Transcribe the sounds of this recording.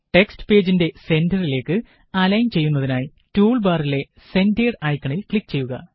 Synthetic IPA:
ʈe̞ksʈɨ̥pe̞ːd͡ʑinde̞se̞ndɐrile̞ːkːɨ | ɐlɐjnt͡ɕe̞jːunːɐðinaːj | tuːɭbaːrile̞ | se̞nde̞ːɖɐjkːɐɳilkɭikːt͡ɕe̞jːuɣɐ̰

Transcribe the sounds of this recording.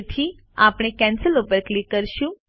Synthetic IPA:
t̪ʰi | apɽ̃ekɛnsəlupəɾklikːəɾʃũ

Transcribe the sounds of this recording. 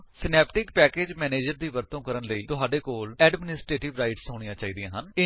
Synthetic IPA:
sɪnɛːpʈɪkpɛːkeːd͡ʒmɛːneːd͡ʒəɾd̪iːʋəɾt̪õːkəɾənləiːt̪ʊɦaːɖeːkoːlɛːɖmɪnɪsʈɾeːʈɪʋɾaːiʈsɦoːɽɪjãːt͡ʃaːiːd̪ijãːɦənɪ

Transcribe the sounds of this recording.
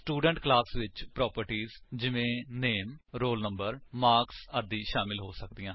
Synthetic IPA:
sʈuːɖəɳʈklaːsʋɪt͡ʃpɾɔːpəɾʈiːzd͡ʒɪʋẽːneːmɾoːlnəmbəɾmaːksəd̪iːʃaːmɪlɦoːsəkd̪ijãː

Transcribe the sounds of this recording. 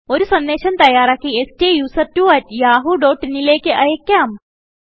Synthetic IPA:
oːɾusɐnːeːʃɐnt̪ɐjaːɾakiesʈejuːsɐɾ̚ʈuɐtjaːɦuɖoːʈnilekeʔɐjekːaːm

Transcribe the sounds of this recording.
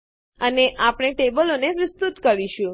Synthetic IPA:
əneʔapɽ̃eʈebəlonepɾəst̪ut̪kəɾiʃũ

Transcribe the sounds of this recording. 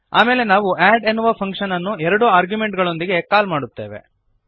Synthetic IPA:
a̰ːme̞ːle̞naːʋuʔæːɖenːuʋɐpʰɐŋkʂɐnɐnːuɛɾɐɽuaːɾɡjume̞ɳʈɡɐɭo̞nd̪iɡe̞kaːlmaːɽut̪ːe̞̰ːʋe̞̰

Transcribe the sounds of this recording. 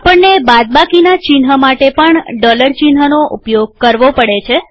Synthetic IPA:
apəɳnebad̪̚bakinat͡ʃinɦəmaʈepəɳɖɔləɾt͡ʃinɦənoʔṵpjoɡ̚kəɾʋopəɽet͡ʃʰe

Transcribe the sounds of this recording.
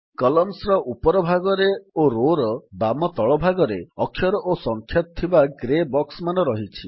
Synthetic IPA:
kɔlɔmsɾɔʔupɔɾɔbʱaɡɔɾeoɾoɾɔbamɔt̪ɔɭɔbʱaɡɔɾeɔkʰːjɔɾɔʔosɔŋkʰjɔt̪ɔt̪ʰːibaɡɾebɔksmanɔɾɔɦit͡ʃʰi

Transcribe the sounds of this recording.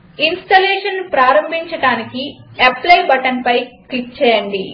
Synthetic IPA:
insʈɐlɛːʂɐnpɾaːɾɐmbʱiɲt͡ʃɐɽaːnikieplɐjbɐʈɐnpɐjklik̚t͡ʃɛːjɐɳɖi

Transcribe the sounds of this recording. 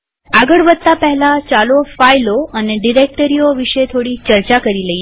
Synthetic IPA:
aɡəɭʋəd̪̚t̪apəɦɛlat͡ʃalofajloəneɖiɾek̚ʈəɾioʋiʃet̪ʰoɽit͡ʃəɾt͡ʃakəɾiləj

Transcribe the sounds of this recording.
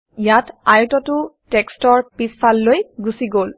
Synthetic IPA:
ijatajʊtɔtʊtɛkstɔɹpispʰalːojɡusiɡol

